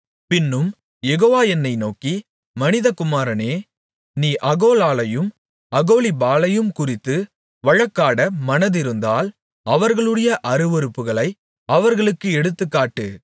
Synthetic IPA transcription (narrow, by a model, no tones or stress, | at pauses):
pɪnːɯm | jɛɣoːʋaːjɛnːɐɪnoːki | mɐnɪðɐkʊmaːɾɐneː | niːʔɐɣoːlaːlɐjɯm | ɐɣoːlibaːlɐjɯmkʊrɪt̪ːɯ | ʋɐɻɐkːaːɽɐmɐnɐðɪɾɯnd̪aːl | ɐʋɐɾɣɐɭɯɽɐjɐʔɐɾɯʋɔɾɯpːɯɣɐɭɐɪ | ɐʋɐɾɣɐɭɯkːɯɛɽɯt̪ːɯkːaːʈːɯ